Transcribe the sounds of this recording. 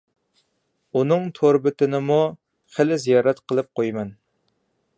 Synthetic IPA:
unɨŋt̪ʰoɾbɪt̪ɪnɪmu | χɪlɪzijɑːɾɛt̪qʰəlˠɨp̚qʰojmɛn

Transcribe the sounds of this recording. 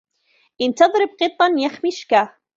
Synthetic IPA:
ʔɪnt̪ɑðˤɾɪb̚qɨt̪ˤːɑnjaxmɪʃka

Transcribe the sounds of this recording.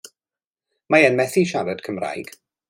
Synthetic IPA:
maɛnmɛθiʃaɾəd̥kʰəmra̰jɡ̥

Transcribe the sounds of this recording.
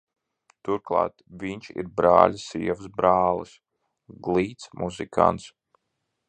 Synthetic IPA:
t̪uɾklˠa̰ːt̪vʲiɲʲt͡ʃḭɾbɾa̰ːlʲisiɛvɨsbɾaːlˠɨ̰s | ɡlˠiːt̪smʔuzikʰa̰nt̪s

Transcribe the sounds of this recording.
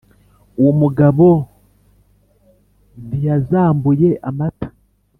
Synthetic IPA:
uwomuɡaβo | βijazaːmbujeʔamatḁ

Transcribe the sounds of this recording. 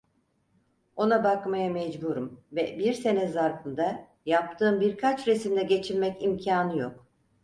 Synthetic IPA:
o̞nabakmajamɛd͡ʒbuɾumvɛbiɾse̞nɛzaɾfɯnd̪a | jap̚t̪ʰɯːmbiɾkʰat͡ʃɾesimd̪ɛɟe̞t͡ʃʰiɾmɛcimcʰaːnɯjo̞k

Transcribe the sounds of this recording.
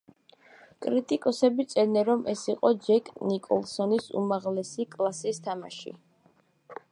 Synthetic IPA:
kʼɾit̪ʼikʼɔsɛbit̪sʼɛnɛɾɔmʔɛsiqʼɔd͡ʒɛkʼnikʼɔ̰lˠsɔnisṵmaʁlɛsikʼlˠasist̪ʰama̰ʃḭ

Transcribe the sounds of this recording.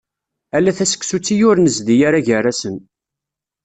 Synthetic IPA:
ælːæθæsə̥kːsut͡sːijʊɾnəzd̪ijaɾaʝərˤasən

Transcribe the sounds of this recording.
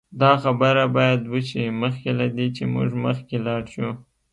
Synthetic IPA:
d̪ɑxabəɾabɑjad̪wəʃiməxkelad̪et͡ʃemṵʒməxkelɑɽʃu

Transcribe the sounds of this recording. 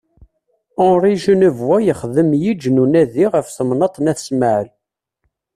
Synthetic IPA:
ɔɾˤiʒənəvwæjəχðəmjid͡ʒnunæðiʁəfθəmnət̪ˤnæθsməʕəl

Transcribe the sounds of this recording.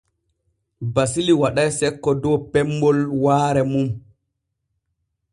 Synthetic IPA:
basiliwaɗajsɛkːɔdɔpɛmbɔlwaːɾɛmum

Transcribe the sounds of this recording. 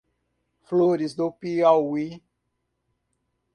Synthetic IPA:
floɾizd̪opiawwi

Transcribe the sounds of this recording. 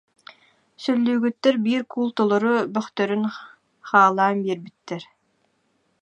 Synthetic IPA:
sœlːyːɡyt̪ːɛɾbiːɾkulˠt̪ɔlˠɔɾubœχt̪œɾyn | χaːlˠaːnbiɛɾbit̪ːɛɾ

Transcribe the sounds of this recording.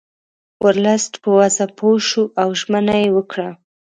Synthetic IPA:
wʔəɾlasʈpəwazapʰoʃuʔawʒmənajewəkɽa

